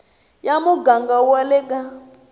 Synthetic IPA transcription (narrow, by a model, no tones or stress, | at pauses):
jamuɡaŋɡawalɛka